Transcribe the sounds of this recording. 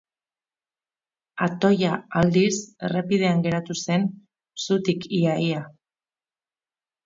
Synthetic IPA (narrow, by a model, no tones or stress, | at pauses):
at̪o̞jaald̪ise̞̰repið̞e̞aŋɡe̞ɾat̪use̞n | sut̪ikiaia